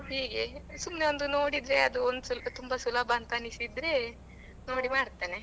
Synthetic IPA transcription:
ɦiːɡe̞sumneond̪uno̞ːɽid̪ɾeɐd̪uond̪uslt̪umbɐsulɐbɐːnt̪ɐnisid̪ɾe | no̞ːɽimaːɽt̪aːne

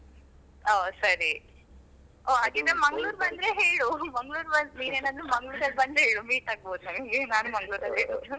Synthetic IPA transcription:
oːsɐɾi | oːaːd̪inɐmmɐŋɡɭuːɾbɐnd̪ɾeɦeːɭumɐŋɡɭuːɾbɐnd̪niːneːnaːd̪ɾumɐŋɡɭuːɾɐlbɐnd̪ɦeːɭumiːʈaːɡ̚boːd̪unɐmiɡenaːnumɐŋɡɭuːɾɐlɦeːɭu

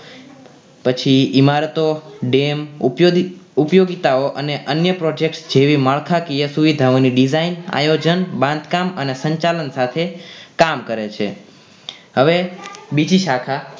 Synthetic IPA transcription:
pət͡ʃʰiimaɾət̪oɖem | upjoɡit̪aoʔəneʔənjəpɾod͡ʒek̚ʈsd͡ʒeʋiməɭkʰakijəsuʋid̪ʱaoniɖizaina̰jod͡ʒənbãnd̪ʱkamənesəɲt͡ʃalənsat̪ʰekamkəɾet͡ʃʰḛ | ɦəʋebid͡ʒiʃakʰa

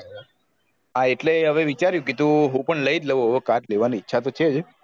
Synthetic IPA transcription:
aeʈleɦəʋeʋit͡ʃaɾjũket̪ũɦũpəɳləid͡ʒ̪ləʋoɦəʋekaʈleʋaniːtːʃʰat̪ot͡ʃʰed͡ʒ

